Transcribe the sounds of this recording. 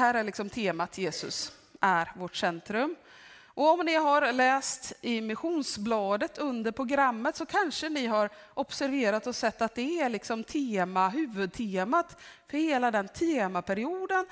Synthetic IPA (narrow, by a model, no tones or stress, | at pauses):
hæːɾæɭɪksɔmt̪ʰeːmat̪ʰjeːsɵ̰s | ʔæɾvɔʈsɛnt̪ɾɵm | ʔɔɔmnɪɦaɾlɛːst̪ɪmɪɧuːnsblɑːd̪ət̪ʰɵnd̪əɾpʰɾʊɡɾamːət̪sɔkʰanʂənɪɦaɾ | ʔɔpsæɾveːɾat̪ɔsɛt̪ːat̪̚d̪ɛːɭɪksɔmt̪ʰeːmaɦʉ̟ːvɵd̪̚t̪ʰeːmat̪fœɾheːlad̪ɛnt̪ʰeːmapʰæɾɪuːd̪ən